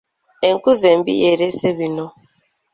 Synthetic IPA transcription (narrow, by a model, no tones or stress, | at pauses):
eŋ̩kuzem̩bḭjeɾesebinɔ